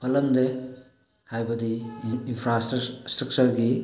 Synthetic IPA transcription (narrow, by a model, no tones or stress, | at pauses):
pʰɐlɐmde | hajbɐdiːnpʰɾasstɾɐk̚t͡ʃɐɾɡi